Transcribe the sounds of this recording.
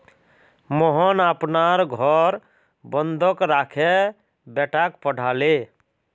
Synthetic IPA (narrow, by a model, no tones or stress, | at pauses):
mɔɦɔnapnaɾɡʱɔɾ | bənd̪ʱɔkɾakʰe | bɛʈakpəɽ̤ʱale